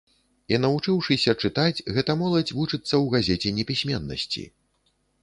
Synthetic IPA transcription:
inɐvut͡ʂɨwʂɨsʲɐt͡ʂɨt̪at͡sʲɣɛt̪ɐmɔlˠɐd͡zʲvut͡ʂɨt̪sːɐwɣazʲɛt͡sʲɛnʲɛpʲisʲmʲɛnːɐ̰sʲt͡sʲḭ

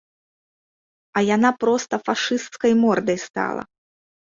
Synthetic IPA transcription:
ɐjan̪apɾɔst̪ɐfaʂɨst̪skɐjmɔrd̪ɐjst̪a̰lˠɐ̰

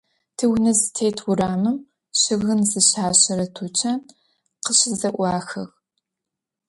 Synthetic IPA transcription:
tʰɨwnɐzɨtʰejtʰwʊraːmɨm | ɕɪɣɨnzɨɕaːɕɐɾɐtʰut͡ʃʰɐn | qəɕɪzɐʔʷɑːxɐ̰ɣ

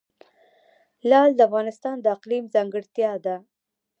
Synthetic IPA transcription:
lɑld̪əafɣɑnɪst̪ɑnd̪əaqlimzɑŋɡəɽt̪jɑd̪a

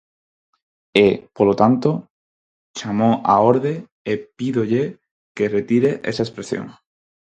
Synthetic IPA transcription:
epolot̪ant̪o | t͡ʃamoʔaoɾðe | epiðoʎe | keret̪iɾeʔḛsaespɾesjo̰ŋ

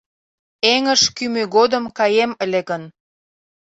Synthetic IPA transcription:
eŋəʃkymøɣod̪əmkɑjeməleɣən

